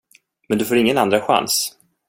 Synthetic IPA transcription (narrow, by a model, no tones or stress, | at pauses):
mɛnd̪ɵfoːɾɪŋːənand̪ɾaɧa̰ns